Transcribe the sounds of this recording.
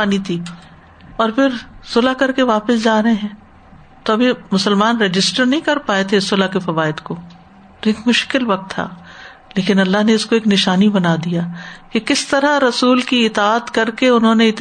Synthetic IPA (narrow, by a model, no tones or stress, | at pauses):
aːnit̪ʰiː | ɔːɾpʰɪɾsʊlakɐɾkeʋaːpɪsd͡ʒaːɾɐɦeɦɛ̃ː | t̪oɐbʱimʊsəlmaːnɾed͡ʒɪsʈəɾnɐɦĩkɐɾpaːet̪ʰeɪsːʊlakifɐʋaːɪd̪ko | ɾeːkmʊʃkɪlʋɐk̚t̪ʰːa̰ː | leːkɪnɐlːaɦneɪskoeːknɪʃaːnibɐnaːd̪ijaːkekɪst̪ɐɾaɾɐsuːlkiɪt̪aaːt̪kɐɾkeʊnɦõneɪt̪